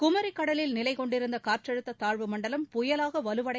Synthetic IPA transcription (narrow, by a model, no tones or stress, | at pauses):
kʊmɐɾikːɐɽɐlɪlnɪlɐɪkɔɳɖɪɾɯnd̪ɐkaːɾʈrɐɻɯt̪ːɐt̪aːɻʋɯmɐɳɖɐlɐmpʊjɐlaːɣɐʋɐlɯʋɐɽɐ